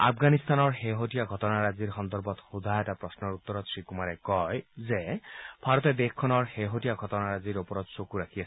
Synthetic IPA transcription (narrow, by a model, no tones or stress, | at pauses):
a̰pʰɡanist̪anɔɹxeɦotijaɡʱɔtɔnaɹaziɹxɔnd̪ɔɹbɔtxudʱajɛtapɹɔsnɔɹut̪ːɔɹɔtsɹikumaɹɛkɔjzɛb̥ʱaɹɔtɛd̪exkʰːɔnɔɹxeɦotijaɡʱɔtɔnaɹaziɹopɔɹɔtsokuɹakʰiasɛ